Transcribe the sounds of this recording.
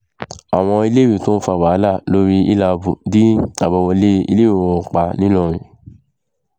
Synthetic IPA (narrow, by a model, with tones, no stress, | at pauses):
a˨w̃ɔ̃˧i˧le˦wi˦˨to˦fa˧˨wa˨˦la˦˨lo˦ɾi˦i˦la˧bṵ˨di˦a˦˨bɔ˧wɔ˧le˦ḭ˧le˦o˨˦ɔ̃˧˨k͡pa˧nĩ˦lɔ̃˦˨ɾ̃ĩ˨